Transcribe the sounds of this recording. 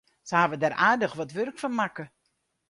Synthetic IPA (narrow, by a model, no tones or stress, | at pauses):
səhaːvədarʔaːdəxʋɔtʋørkfɔnmakə